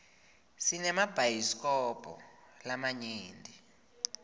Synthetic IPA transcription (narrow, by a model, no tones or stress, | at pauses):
sinɛmab̥ʱajiskʼɔpʰʼɔ̰lamaɲiːndʱi